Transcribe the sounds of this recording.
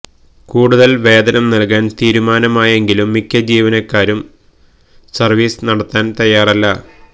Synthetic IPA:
kuːɽuðɐlʋe̞ːd̪ɐnɐmnɐlkaːnt̪iːɾumaːnɐmaːje̞ŋɡilumːikʲːɐd͡ʑiːʋɐnɐkːaːɾum | sɐrʋiːsnɐɽɐt̪ːaːnt̪ɐjːaːrɐlːɐ

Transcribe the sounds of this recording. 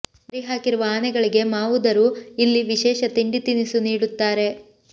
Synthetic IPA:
ɐɾiɦaːkiɾuʋɐaːnɛɡɐɭiɡe̞maːʋud̪ɐɾuilːiʋiʃɛːʃɐt̪iɳɖit̪inisuniːɽut̪ːaːɾe̞

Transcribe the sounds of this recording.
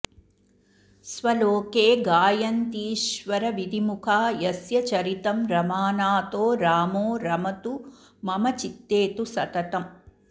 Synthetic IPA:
sʋɐloːkeːɡaːjɐnt̪iːʃʋɐɾɐʋid̪ʱimukʰaːjɐsjɐt͡ʃɐɾit̪ɐmɾɐmaːnaːt̪oːɾaːmoːɾɐmɐt̪u | mɐmɐt͡ʃit̪ːeːt̪usɐt̪ɐt̪ɐm

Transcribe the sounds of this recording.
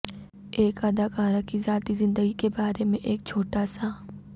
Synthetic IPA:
eːkaːd̪akaːɾakizaːt̪izɪ̃nd̪əɡikebaːɾemẽʔeːk̚t͡ʃʰoːʈaːsa

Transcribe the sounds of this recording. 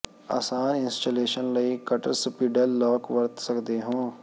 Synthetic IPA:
a̰ːsaːnɪ̃nsʈaːleːʃənləikəʈəɾsʊpiːɖəlːɔːkʋəɾt̪səkd̪eːɦõː

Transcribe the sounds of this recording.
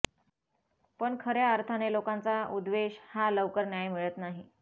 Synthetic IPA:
pəɳkʰəɾjaəɾt̪ʰanelokant͡saud̪ʋeɕhaləʋkəɾnjajmiɭət̪naɦi

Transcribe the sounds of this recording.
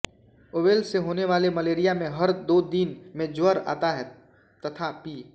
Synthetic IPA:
oːʋeːlseɦoːneʋaːlemɐleːɾijamẽɦɐɾd̪oːd̪inmẽd͡ʒʊəɾa̰ːt̪aɦɛ | t̪ɐt̪ʰapiː

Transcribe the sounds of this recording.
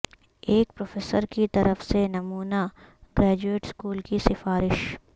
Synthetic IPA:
eːk̚pɾoːfeːsəɾkit̪ɐɾəfsenɐmuːnaɡɾɛːd͡ʒueːʈskuːlkisɪfaːɾɪʃ

